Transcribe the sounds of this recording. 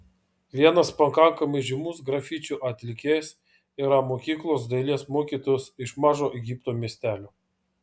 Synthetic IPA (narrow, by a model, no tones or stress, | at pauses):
ʋʲiɛnɐspɐkɐŋkɐmɐɪʒʲɪmuːsɡɾɐfʲit͡ʃʲuʔɐt̪ʲlʲɪkʲeːjs | iːɾɐmoːkʲiːklˠoːsd̪ɐɪlʲeɛsmoːkʲiːt̪oːjʊsɪʃmɑːʒoːʔɛɡʲiːˑpt̪oːmʲiɛsʲt̪ʲæːlʲoː